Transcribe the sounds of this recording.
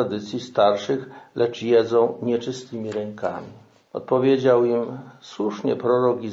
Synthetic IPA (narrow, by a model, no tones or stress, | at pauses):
ad̪ɘt̪sʲjist̪aɾʂɘxlʔɛt͡ʂjɛd̪zɔ̃w̃ɲɛt͡ʂɘst̪ɘmʲiɾɛŋka̰mʲi | ɔ̰t̪̚pɔvʲjed͡ʑawimswuʂɲɛ̰pɾɔɾɔɡʲi